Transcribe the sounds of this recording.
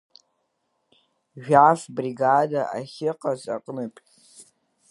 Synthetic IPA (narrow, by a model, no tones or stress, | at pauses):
ʒᶣafbriɡadaʔaχʲɪqʼazʼa̰qʼnɨpʼ